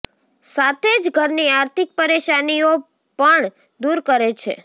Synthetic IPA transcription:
sat̪ʰed͡ʒɡʱəɾniaɾt̪ʰik̚pəɾeʃanio | pəɳ | d̪uɾkəɾet͡ʃʰḛ

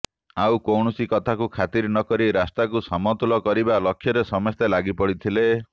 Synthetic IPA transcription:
awkɔwɳɔsikɔt̪ʰakukʰat̪iɾnɔkɔɾiɾast̪akusɔmɔt̪ulɔkɔɾibalɔkʰːjɔɾesɔmɔst̪elaɡipɔɽit̪ʰile

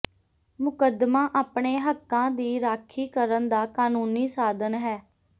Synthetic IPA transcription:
mʊkəd̪mãːʔaːpɳeːɦəkːãːd̪iːɾaːkʰiːkəɾənd̪aːkaːnuːniːsaːd̪ənɦɛː

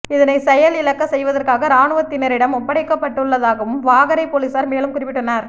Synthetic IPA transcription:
ɪðɐnɐɪsɛjɐlɪlɐkːɐsɛjʋɐðɐrkaːɣɐɾaːɳɯʋɐt̪ːɪnɐɾɪɽɐmɔpːɐɽɐɪkːɐpːɐʈːɯɭːɐðaːɣɐʋɯmʋaːɣɐɾɐɪpoːlisaːɾmeːlɯmkʊrɪpːɪʈːɯnːɐɾ

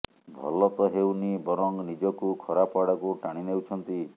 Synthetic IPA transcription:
bʱɔ̰lɔt̪ɔɦewnibɔɾɔŋɡnid͡ʒɔkukʰɔɾapaɽɔkuʈaɽ̃inewt͡ʃʰɔnt̪i

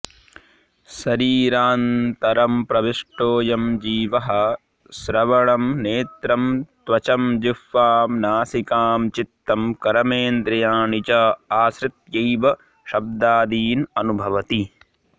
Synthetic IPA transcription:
sɐɾiːɾaːnt̪ɐɾɐmpɾɐʋiʂʈoːjɐmd͡ʒiːʋɐɦɐ̆ | sɾɐʋɐɭɐmneːt̪ɾɐmt̪ʋɐt͡ʃɐmd͡ʒifːaːmnaːsikaːmt͡ʃit̪ːɐmkɐɾɐmeːnd̪ɾɐjaːnit͡ʃɐaːsɾɪt̪jɐjʋɐ | ʃɐb̚d̪aːd̪iːnɐnubʱɐʋɐt̪i

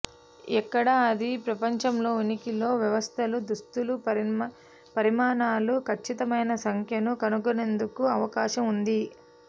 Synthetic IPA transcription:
ɛkːɐɽɐːd̪ipɾɐpɐɲt͡ʃɐmlo̞ːinikilo̞ːʋjɐʋɐst̪ʰɐlud̪ust̪ulu | pɐɾimaːnaːlukʰɐt͡ʃːit̪ɐmɐjnɐsɐŋkʰjɐnukɐnuɡonend̪ukuɐʋɐkaːʃɐmund̪i

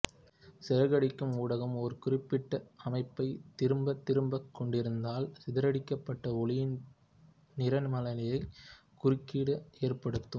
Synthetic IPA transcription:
sɛɾɐɣɐɽɪkːɯmuːɽɐɣɐmɔɾɯkʊrɪpːɪʈːɐɐmɐɪpːɐɪt̪ːɪɾɯmbɐt̪ːɪɾɯmbɐkːɔɳɖɪɾɯnd̪aːlsɪðɐɾɐɽɪkːɐpːɐʈːɐɔlɪjɪn | nɪɾɐnmɐlɐlɐjɐɪ | kʊrɪkːiːɽɐeːrpɐɽɯt̪ːɯm

